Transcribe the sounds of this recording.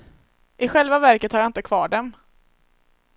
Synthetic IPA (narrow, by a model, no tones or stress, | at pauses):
ʔɪɧɛlvavæɾkət̪haɾjaɪnt̪əkʰvɑːɖɛm